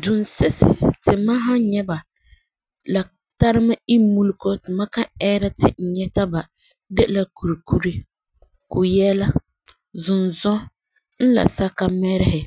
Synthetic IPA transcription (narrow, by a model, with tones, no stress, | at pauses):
dʊ˨n˨sɛ˦sɪ̰˨tɪ˨ma˦ɦa˦ɲɛ˦ba˨ | la˨ | ta˦ɾɪ˦ma˦i˦mu˦lko˦tɪ˨ma˦ka˦ɛː˦ɾa˦tɪ˨n̩˨ɲɛ˦ta˦ba˨ | de˦ʔla˦ku˨ɾi˨ku˦ɾe˦ | kʊ˨jɛ˦la˦ | zʊ˨nzɔ˦ | n̩˦la̰˨sa˦ka˦mɛ˦ɾɪ˦hɪ˨